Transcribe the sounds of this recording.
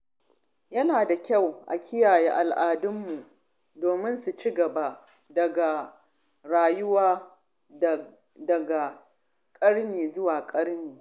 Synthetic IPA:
jɐ˦naː˨da˨kʲa˦˨wʔa̰˨kʲɪ˦jaː˨jeː˦ʔa˨lʔaː˨dʊ˦mːu˨ʔ | doː˨mɪ˦nsu˨t͡ʃiː˦ɡɐ˨ba˦ | dɐ˨ɡa˨ | ɽaː˨jʊ˦waː˦ | dɐ˨ɡa˨ | kʼɐ˦ɽniː˨zʊ˦waː˨kʼɐ˦ɽniː˨

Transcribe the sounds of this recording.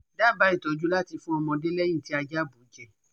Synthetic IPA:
da˦˨ba˨˦i˦˨tɔ˨˦d͡ʒu˦la˦˨ti˧fũ˦ɔ˧mɔ̃˧de˦lɛ˦j̃ĩ˦˨ti˨˦a˧d͡ʒa˦˨bu˨d͡ʒɛ˦˨

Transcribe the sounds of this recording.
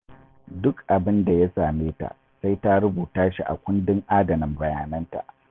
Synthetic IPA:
dʊ˦kʔa˨bɪ˦nda˨ja˦saː˨meː˦ta̰˨ | sa˦jta˦ɾʊ˦buː˨taː˦ʃi˨ʔa̰˨kʷʊ˦ndɪ˦ŋʔaː˦dɐ˨mɪ˨mbɐ˨jaː˨nɐ˦nta̰˨ʔ

